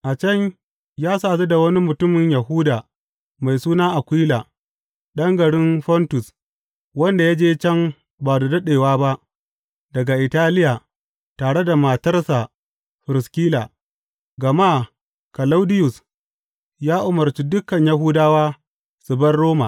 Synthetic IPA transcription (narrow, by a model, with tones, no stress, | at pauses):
ʔa˨t͡ʃɐ˦ɲ | jaː˦saː˨ze˦da˨wɐ˦ni˦mʊ˨tʊ˦mɪ˨ɲjɐ˨ɦuː˦daː˨ | ma˨jsuː˦naː˦ʔa˨kʷiː˦laː˨ | ɗɐ˦ŋɡɐ˨ɽɪ˦nɸɔ˦ntʊ˨s | wɐ˦nda˨ja˦d͡ʒeː˦t͡ʃɐ˦m | baː˨da˨dɐ˦ɗeː˨waː˦ba˦ʔ | dɐ˨ɡa˨ʔɪ˨taː˦lɪ˦ja˨ | taː˨ɽe˦da˨ma˨tɐ˦rsa˨ | ɸɪ˨ɾɪ˨skʲiː˦laː˨ | ɡɐ˨ma˦˨ | kɐ˨la˦wdɪ˦jʊ˨s | jaː˦ʔʊ˨mɐ˨rt͡ʃi˦dʊ˦kɐ˨ɲja˨ɦuː˦daː˦waː˦ | sʊ˨bɐ˦rːoː˦ma̰˨